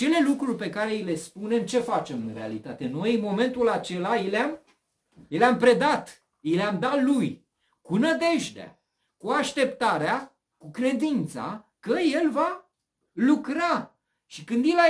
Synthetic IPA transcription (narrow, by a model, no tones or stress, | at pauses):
t͡ʃe̞le̞lukɾurʲpe̞kaɾe̞ile̞spune̞mt͡ʃe̞fat͡ʃe̞mɨnɾe̞alit̪at̪eno̞jmo̞me̞nt̪ulat͡ʃe̞laileam | jeleampɾe̞d̪at̪ | ileamd̪at̪luj | kunəd̪e̞ʒd̪ea̰ | kuaʃt̪e̞pt̪aɾea | kukɾe̞d̪int̪sa̰kəje̞lva | lukɾa | ʃikɨnd̪jila